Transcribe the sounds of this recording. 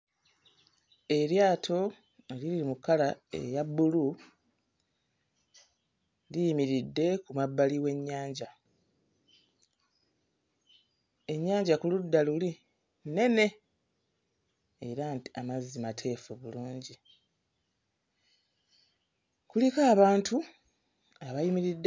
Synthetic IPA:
e̞ɾjaːtʰo̞ | elililimukːalae̞̰jabːulu | lijimiɾidːe̞kumabːaliwe̞ɲːaːɲɟa | e̞ɲːaːɲɟakuludːaluli | ne̞ne̞ | eɾanti̥amazːimatʰe̞ːfuβuluːɲɟi | kulikaːβaːntu | aβajimiɾidː

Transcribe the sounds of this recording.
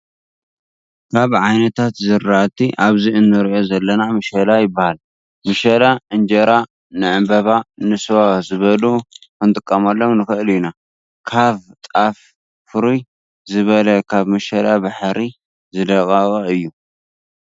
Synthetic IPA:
kʰaβʕajnɐt̪ʰat̪zɨɾːat̪ʰiʔaβziɨnːɨɾʔo̞zɐlːɐnamɨʃɐlajɪbːahal | mɨʃɐlaʔɨnd͡ʒɐɾa | nɨʕɨmbɐβanɨsɨwazɨβɐlukɨnt̪ʼɨkʼːɐmɐlːomnɨxɨʔlna | kʰaβt̪ʼaf | fɨɾuj | zɨβɐlɐkʰaβmɨʃɐlabaħɾi | zɨd̪ɐkʼakʼɐɨjːu

